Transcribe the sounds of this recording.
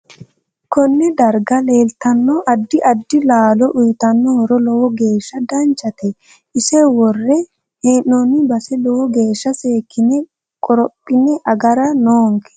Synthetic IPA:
kɔnːɛd̪ɐɾɡɐleːlt̪ɐnːɔʔɐd̪ːɪʔɐd̪ːɪlaːlɔʔʊjt̪ɐnːɔɾɔlɔwɔɡeːʃːɐd̪ɐnt͡ʃːɐt̪ɛ | ɪsɛwɔrːɛ | heːnːɔnɪbɐsɛlɔwɔɡe̞ːʃːɐseːkʰːɪnɛ | kʼɔɾɔpʼːɪnɛʔɐɡɐɾɐnoːŋkɛ̥

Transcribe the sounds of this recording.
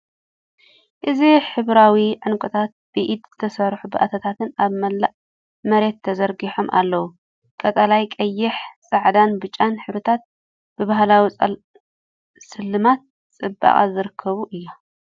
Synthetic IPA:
ʔɨziħɨβɾawiʕɨnkʼɨt̪ʰat̪̚b̥ɨʔid̪z̥ɨt̪ʰɐsɐɾħubɨʔat̪ʰɐt̪ʰat̪ʰɨnaβmɐlːaʔ | mɐɾe̞t̪ʰːɐzɐɾɡiħo̞mʔa̰lːɐwu | kʼɐt̪ʼɐlajkʼɐjːɪħsʼaʕd̪anbɨt͡ʃʼːanħɨβɾɨt̪ʰat̪̚ | b̥ɨβaɦlawi | sɨlːɨmat̪̚ | t͡sʼɨbːa̰χʼa̰zɨɾɨkʰːɐβuʔɨjːa

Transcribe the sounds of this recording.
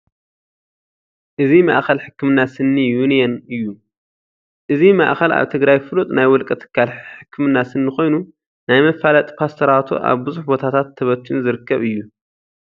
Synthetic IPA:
ʔɨzima̰ʔxɐlħɨkːɨmɨnːasɨnːijunijɛnɨjːu | ʔɨzima̰ʔxɐla̰βt̪ʰɨɡɾajfɨlut̪ʼnajwɔlkʼɐt̪ʰɨ̥kʰːalħɨkʰːɨmɨnːasɨnːɨxo̞jnu | najmɐfalɐt̪ʼpʰast̪ʰɐɾat̪ʰṵʔa̰βbɨzuħbo̞t̪ʰat̪ʰat̪ʰːɐβɐt̪ʰːunzɨɾɨkʰːɐβɨjːu

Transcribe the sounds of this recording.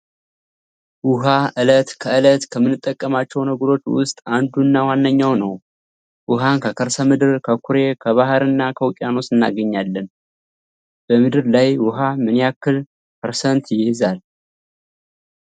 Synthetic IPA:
wʊɦaʔɨlət̪kʰəɨlət̪kʰəmːɨnːɨt̪ʼːəkʼːəmat͡ʃːɛwnəɡəɾo̞t͡ʃːwʊ̰st̪ʼand̪unːawanːəɲːawnəw | wʊɦankʰəkʰəɾsəmɨd̪ɨɾkʰəkʰuɾe̞kʰəβaɦɾɨnːakʰəwʊkʼjano̞sɨnːa̰ɡəɲːalːən | b̥əmɨd̪ɨɾlajwʊɦamɨnjakːɨl | kʰəɾsənt̪jɪhɨzal

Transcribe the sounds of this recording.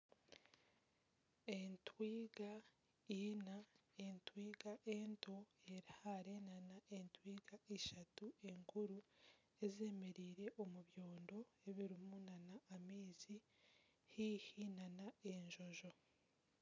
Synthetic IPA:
entwiːɡa | inaentwiːɡaʔentʰo̞e̞ɾihaɾe̞nanaʔentwiːɡaeʃatue̞ŋkuɾu | e̞ze̞ːme̞ɾiːɾe̞ʔomuβjo̞ːndo̞e̞βiɾimunanaːmiːzi | hiːhinanae̞ɲʒo̞ʒo̞

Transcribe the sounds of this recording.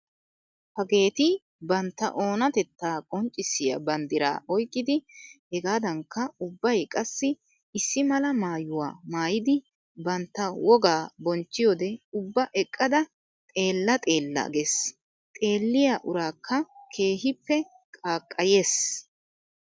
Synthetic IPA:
hɐɡe̞ːt̪ɪ | bɐnt̪ːɐ̰ʔo̞ːnɐt̪ɛt̪ːaːkʼɔnt͡ʃʼːɪsɪjɐ̰bɐnd̪ɪɾa̰ːʔɔjkʼːɪd̪ɪhɛɡaːd̪ɐŋkːɐʊbːɐjkʼɐsːɪ | ɪsːɪmɐlɐmaːjʊwa̰ːmaːjɪd̪ɪ | bɐnt̪ːɐwɔɡaːbɔnt͡ʃːɪjɔːd̪ɛʊbːɐʔɛkʼːɐd̪ɐ | t̪ʼe̞ːlːɐt̪ʼe̞ːlːɐ̰ɡes | t̪ʼe̞ːlːɪjaʔʊɾaːkʰːɐkʰe̞ːɦɪpːɛ | kʼaːkʼːɐje̞ːs

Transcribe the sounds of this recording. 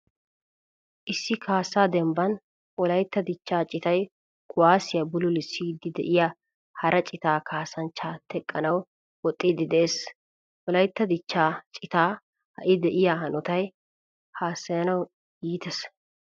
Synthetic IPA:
ʔɪsːɪkʰaːsːaːd̪ɛmbɐn | ʔɔlɐjt̪ːɐd̪ɪt͡ʃːaːt͡ʃʼɪt̪ɐj | kʰʊwaːsɪjɐbʊlʊlɪsːiːd̪ɪd̪ɛ̰ʔɪjɐ | hɐɾʔɐt͡ʃʼɪt̪aːkʰaːsɐnt͡ʃːaːt̪ɛkʼːɐnɐw | wɔt̪ʼːiːd̪ɪd̪ɛʔeːs | ʔɔlɐjt̪ːɐd̪ɪt͡ʃːaːt͡ʃʼɪt̪aː | hɐ̰ʔɪd̪ɛʔɪjahɐnɔt̪ɐj | haːsːɐjɐnɐw | jiːt̪ɛs

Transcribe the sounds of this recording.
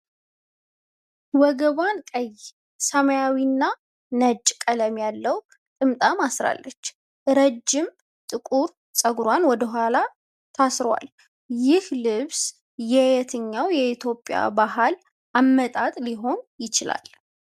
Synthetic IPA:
wɔɡəβankʼəj | səməjawinːa | nət͡ʃʼːkʼələmjalːəw | t̪ʼɨmt̪ʼamasɾa̰lːət͡ʃː | ɾəd͡ʒːɪm | t̪ʼɨkʼuɾ | sʼəɡɾwanwɔd̪əɦʷala | t̪ʰasɾwa̰l | jɪhlɨβs | jɛjɛt̪ʰɨɲːawjɛit̪ʰjo̞pʼja̰baɦal | ʔamːət̪ʼat̪ʼliɦo̞njɪt͡ʃɪla̰l

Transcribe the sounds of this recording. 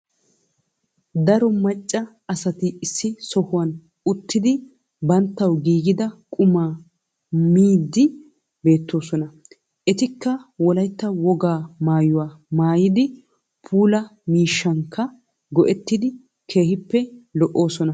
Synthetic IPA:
d̪ɐɾɔmɐt͡ʃʼːɐ | ɐsɐt̪ɪːsːɪsɔhʊwɐn | ʊt̪ːɪd̪ɪ | bɐnt̪ːɐwɡiːɡɪd̪ɐkʼʊmaː | miːd̪ːɪ | be̞ːt̪ːo̞ːsɔnɐ | ʔɛt̪ɪkːɐwɔlɐjt̪ːɐwɔɡaːmaːjʊwaːmaːjɪd̪ɪ | pʰuːlɐmiːʃːɐŋkːɐ | ɡɔʔɛt̪ːɪd̪ɪ | kʰe̞ːhɪpːɛlɔʔo̞ːsɔnɐ

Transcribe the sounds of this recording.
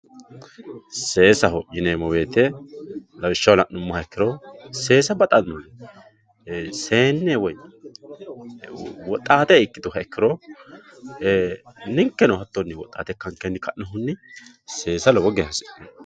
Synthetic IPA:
se̞ːsɐɦɔjɪneːmɔweːt̪ɛ | lɐwɪʃːɐwlɐʔnʊmːɐhɐɛkːɪɾɔse̞ːsɐbɐt̪ʼɐnːɔn | se̞ːnːewɔj | wɔt̪ʼːaːt̪ɛɪkːɪd̪ʊɦɐɛkːɪɾɔ | nɪŋkːɛnɔhɐt̪ːonːɪwɔt̪ʼːa̰ːt̪ɛkːɐŋkːɛnːɪkɐʔnɐɦʊnːɪ | se̞ːsɐlɔwɔɡɛhɐsɪ̥

